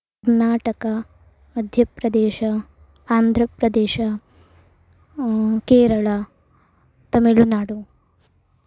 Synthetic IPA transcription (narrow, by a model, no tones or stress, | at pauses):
ɐɾnaːʈɐkɐ | mɐd̪ʱjɐpɾɐd̪eːʃɐ | aːnd̪ʱɾɐpɾɐd̪eːʃɐ | keːɾɐɭɐ | t̪ɐmiɭunaːɽu